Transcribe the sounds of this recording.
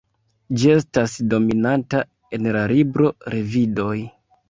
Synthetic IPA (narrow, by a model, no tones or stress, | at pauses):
d͡ʒie̞stasdo̞minanta | e̞nlaɾibɾo̞ɾe̞vido̞j